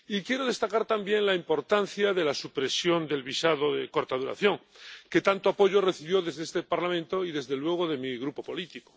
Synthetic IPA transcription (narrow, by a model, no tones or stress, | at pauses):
ikje̞ɾo̞ðe̞st̪akaɾt̪ambje̞ŋlaimpo̞ɾt̪anθjaðe̞lasupɾe̞sjo̞nd̪e̞lβisað̞oðeko̞ɾt̪aðuɾa̰θjo̞ŋ | ke̞t̪ant̪oapo̞ʝo̞re̞θiβjo̞ðe̞zðeest̪epaɾlamẽ̞nt̪o̞iðe̞zðe̞lwe̞ɣ̞oðe̞miɣɾupo̞po̞lit̪iko